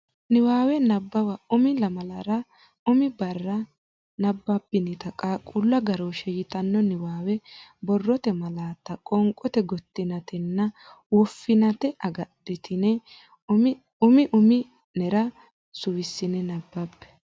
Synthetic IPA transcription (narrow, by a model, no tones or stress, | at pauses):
nɪwaːwɛnɐbːɐwɐʊmɪlɐmɐlɐɾɐ | ʊmɪbɐrːɐ | nɐbːɐbːɪnɪt̪ɐkʼakʼʊlːɐɡɐɾoʃɛjɪt̪ɐnːɔnɪwaːwɛbɔrːɔt̪ɛmɐlaːt̪ːɐkʼɔŋkʼɔt̪ɛɡɔt̪ːɪnɐt̪ɛnːɐ | wɔfːɪnɐt̪ɛʔɐɡɐɗɪt̪ʰɪnɛ | ʊmɪʔʊmɪ | nɛɾɐ | sʊwɪsːɪnɛnɐbːɐbːɛ̥